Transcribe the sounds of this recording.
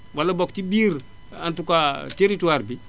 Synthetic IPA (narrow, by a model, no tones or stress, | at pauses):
walːaboktibiːɾ | a̰ntukateɾituaɾbi